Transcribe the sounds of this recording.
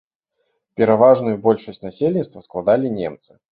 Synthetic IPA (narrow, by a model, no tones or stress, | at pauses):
pʲɛɾavaʐnʊjubɔlʲʂəsʲtʲnasʲelʲnʲit̪st̪vɐsklˠad̪alʲinʲɛ̰mt̪sɨ̥